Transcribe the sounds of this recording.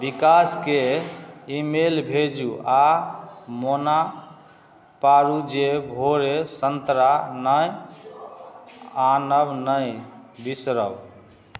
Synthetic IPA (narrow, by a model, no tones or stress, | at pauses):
bikaske | imelbʱed͡ʒua | mona | paɾud͡ʒebʱoɾesənt̪ɾanəj | anəbnəjbisɾəb